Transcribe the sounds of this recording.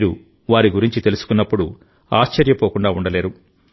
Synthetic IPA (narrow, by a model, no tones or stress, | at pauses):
iːɾu | ʋaːɾiɡuɾiɲt͡ʃit̪e̞lusu̥kunːɐpːuɽu | aːʃt͡ʃɐɾjɐpoːkuɳɖaːuɳɖɐle̞ːɾu